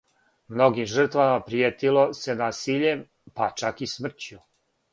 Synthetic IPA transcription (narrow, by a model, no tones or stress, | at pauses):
mno̞ɡimʒr̩t̪ʋamapɾijet̪ilo̞se̞naːsiʎem | pat͡ʃakismr̩t͡ɕu